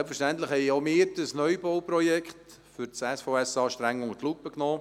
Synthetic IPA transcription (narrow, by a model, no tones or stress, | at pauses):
lpfəɾʃtænt̪ləχhɛɪomɪːɾd̥əsnœʏbɔwpɾɔjɛkχt | fʏɾt͡sɛsfoʊɛsɑːʃtɾɛŋːʊŋətlupːəknoː